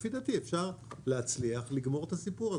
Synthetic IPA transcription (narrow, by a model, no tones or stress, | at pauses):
fid̪at̪iefʃaʁleɦat͡sliaχliɡmo̞ʁet̪asipuʁa